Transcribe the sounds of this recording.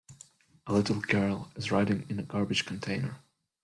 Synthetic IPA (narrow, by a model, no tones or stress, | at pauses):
əlɪɾl̩ˠɡɜ˞lˠɪzɹaɪɾɪ̃ŋɨ̃nəɡɑɹbɨd̥ʒ̥kʰn̩tʰẽɪ̃nə˞